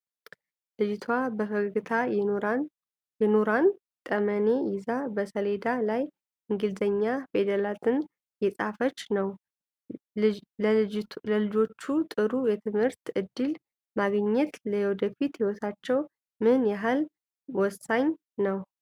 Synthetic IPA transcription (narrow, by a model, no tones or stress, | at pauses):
lɨd͡ʒt̪ʰwabəfəɡɡɨt̪ʰa | jɛnoɾan | t̪ʼəməne̞jɪzabəsəle̞d̪alaj | ʔɨŋɡɨlzəɲːafed̪əlat̪ʰɨn | jɛsʼafət͡ʃːnəw | ləlɨd͡ʒo̞t͡ʃːut̪ʼɨɾujɛt̪ʰɨmhɨɾt̪ɨd̪ːɨl | maɡɲːɛt̪ləjɛwɔd̪əfit̪hihɔt̪ʰat͡ʃːɛw | mɨnjaɦal | wɔsaɲ | nəw